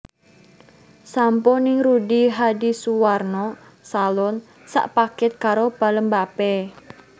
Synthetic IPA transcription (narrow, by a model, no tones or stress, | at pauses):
sampɔnɪŋɾudiɦadisuwarnɔ | salɔn | sa̰ʔpakɪt̪̚kaɾob̥a̤ləmbapɛ